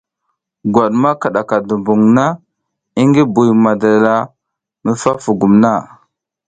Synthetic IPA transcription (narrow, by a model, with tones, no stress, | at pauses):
ɡwa˨ɗma˦ka˨ɗa˨ka˨du˨mbu˨ŋna˦ | i˦ŋɡi˦bu˨jma˨da˨la˦ | mə˨fa˦fu˨ɡu˨mna˦˨